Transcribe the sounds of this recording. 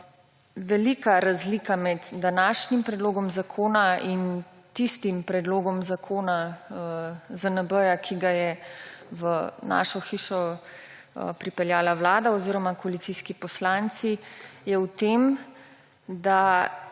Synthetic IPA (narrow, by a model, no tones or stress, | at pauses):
ʋɛlikaɾazliːkamɛd̪d̪anaːʃnimpɾɛd̪loːɡɔmzakʰoːnain | t̪ist̪impɾɛd̪loːɡɔmzakʰoːna | zənəbəjakʰiɡajɛʋəna̰ːʃɔxiːʃɔ̰ | pɾipɛljaːlawlaːd̪aɔziːɾɔmakɔalit̪siːskipɔslant̪sijɛwt̪eːm | d̪a